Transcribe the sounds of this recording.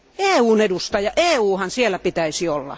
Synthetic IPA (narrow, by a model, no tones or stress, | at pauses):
eːuːnedust̪ɑjɑʔeːuːhɑnsielːˑæpit̪æisiolːɑ̰